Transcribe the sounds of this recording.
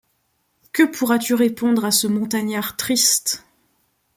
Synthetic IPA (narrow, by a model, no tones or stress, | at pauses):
kəpʰuʁat̪yʁepɔ̃d̪ʁasəmɔ̃t̪aɲaʁt̪χist̪